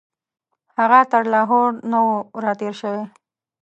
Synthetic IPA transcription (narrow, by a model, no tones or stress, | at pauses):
haɣat̪əɾlɑɦoɽnowɾɑt̪eɾʃəwe